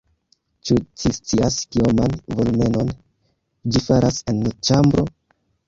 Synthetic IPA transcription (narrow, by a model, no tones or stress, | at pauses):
t͡ʃut͡ʃist͡siaskiomanvolume̞no̞n | d͡ʒifaɾasenːot͡ʃambɾo